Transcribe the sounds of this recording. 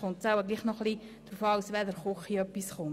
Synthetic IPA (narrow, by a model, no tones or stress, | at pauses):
χʊnt͡sawəɡliːχnɔχli | d̪̥ɾufɑwsʋɛd̪əɾχoχiœpːisχʊm